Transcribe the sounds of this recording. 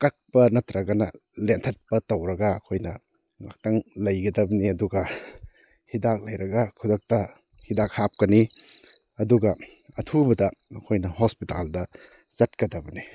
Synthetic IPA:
kɐk̚pɐnɐtɾɐɡɐnɐ̰lentʰɐt̚pɐtowɾɐɡaɐkʰojnɐ | ŋa̰k̚tɐŋlɐjɡɐdɐbɐniɐduɡɐ | hidak̚lɐjɾɐɡakʰudɐk̚tɐ | hidak̚hap̚kɐni | ɐduɡɐ | ɐtʰubɐdɐɐkʰojnɐhospita̰ldɐ | t͡ʃɐt̚kɐdɐbɐni

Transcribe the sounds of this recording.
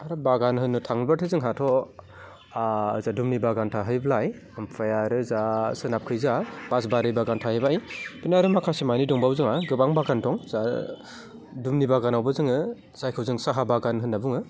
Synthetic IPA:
aɾɔbaɡanɦɯnːɯtʰaŋbatʰɯzɯŋɦatʰɔ | azadumnibaɡantʰaɦɯjblaj | ɯmpʰajaɾɯzasɯnap̚kʰɯjzab̥asbaɾɯjbaɡantʰaɦɯjbaijpinaɾɯmakʰasimanidɔŋbawzɯŋaɡɯbaŋbaɡantʰɔŋza | dumnibaɡanawbɯzɯŋɯ | z̥ajkʰɯwzɯŋsaɦabaɡanɦɯnːabuŋɯ

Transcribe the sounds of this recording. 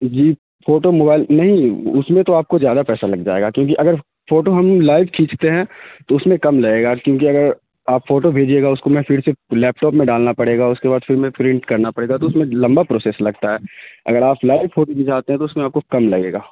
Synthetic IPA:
d͡ʒiː | foːʈomoːbaːɪlnɐɦĩʊsmẽt̪oaːp̚kozjaːd̪apɛːsalɐɡd͡ʒa̰ːḛːɡakjõːk̬iʔɐɡəɾ | foːʈoɦɐmlaːɪʋkʰĩːt͡ʃt̪eɦɛ̃t̪oʊsmẽkɐmlɐeːɡaːkjõːkiɐɡəɾ | aːpfoːʈobʱeːd͡ʒieːɡaʊskomɛ̃fʰiɽselɛːp̚ʈɔːpmẽɖaːlnapɐɽeːɡaʊskebaːd̪fɪɾmẽpɾɪ̃ɳʈkɐɾnapɐɽeːɡat̪oʊsmẽlɐ̃mbapɾoːseːslɐɡt̪aɦɛːɐ̰ɡəɾaːplaːɪʋfoːʈomĩd͡ʒaːt̪eɦɛ̃t̪oʊsmẽaːp̚kokɐmlɐɡḛːɡaː

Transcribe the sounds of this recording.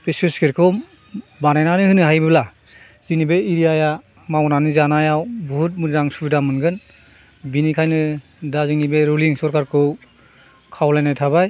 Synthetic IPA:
pesuskeɾkʰɔm | banajnanɯhɯnɯɦajbɯbla | z̥inibeiɾijaja | mawnanɯzanajawbɔhut̚muɾzaŋsudamɯnɡɯn | binikʰajnɯ | dazinibeɾuliŋsɔɾkaɾkʰɯw | kʰawlajnajtʰabaj

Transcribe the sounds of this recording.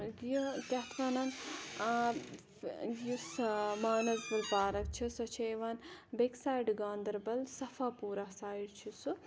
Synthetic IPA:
ɡjkʲɐt̪ʰʋɐnɐn | jusmaːnɐsbɐlpaːɾɐk̚t͡ʃʰisɐt͡ʃʰeːʋanbeksaːiɖɡaːnd̪ɐɾbɐlsɐfʰaːpuːɾaːsaːiɖt͡ʃʰisu

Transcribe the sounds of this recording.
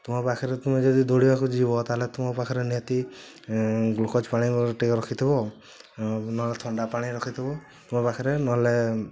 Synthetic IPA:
t̪umɔpakʰɔɾet̪umed͡ʒɔd̪id̪oɽibakud͡ʒibɔt̪aɦelet̪umɔpakʰɔɾenat̪i | ɡulkʰɔt͡ʃpaɽ̃iʈikɔɾɔkʰit̪ʰibɔ | nɔlet̪ʰɔɳɖapaɽ̃iɾɔkʰit̪ʰibɔ | t̪umɔpakʰɔɾenɔle

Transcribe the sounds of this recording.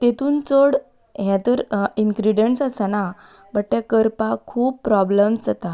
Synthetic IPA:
t̪et̪uːnt͡soɽ | ɦjãt̪əɾiŋɡɾiɖeɳʈsasana | bəʈ̚ʈ̪ekəɾpakʰuːpːɾɔbləmsat̪a

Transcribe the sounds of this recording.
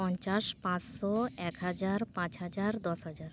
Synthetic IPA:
ɔɲt͡ʃaʃpãt͡ʃsɔɛkɦad͡ʑaɾpãt͡ɕɦad͡ʑaɾd̪ɔsɦad͡ʒaɾ

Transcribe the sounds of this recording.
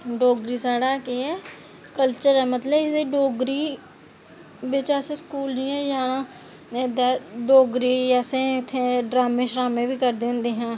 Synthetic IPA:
ɖoːɡɾisaːɽakiɛ | kəlt͡ʃəɾɛːmət̪ləɪseɖoːɡɾi | beːt͡ʃaːseskuːliɛ̃ːjã | d̪ɛːɖoːɡɾiɛːsẽt̪ʰeɖɾaːmẽʃɾaːmẽbʱikəɾd̪eːnd̪eːɦãː

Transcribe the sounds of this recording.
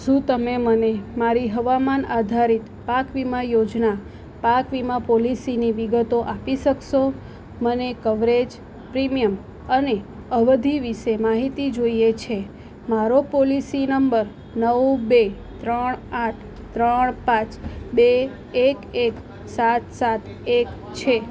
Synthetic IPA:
ʃũt̪əmemənemaɾiɦəʋamanad̪ʱaɾit̪pakʋimajod͡ʒna | pakʋimãpolisiniʋiɡət̪oʔapiʃəkʃo | mənekəʋɾed͡ʒ | pɾimijəm | əne | əʋəd̪ʱiʋiʃemaɦit̪id͡ʒoijet͡ʃʰe | maɾopolisinəmbəɾ | nəwbe | t̪ɾəɳaʈʰ | t̪ɾəɳpãt͡ʃbe | ekek | sat̪sat̪ | ek | t͡ʃʰe

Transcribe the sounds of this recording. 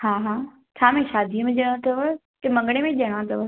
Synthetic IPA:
haːɦaː | t͡ɕʰaːmẽʃaːd̪ʱiəmẽʄɐɽ̃õt̪ʰɐʋə | t̪ɐmɐ̃ŋɡɽ̃emẽʄɐɽ̃ãt̪ʰɐʋə

